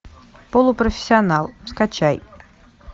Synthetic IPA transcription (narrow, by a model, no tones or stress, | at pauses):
polˠʊprɔfʲɪ̥sʲːianalˠmskat͡ʃʰaj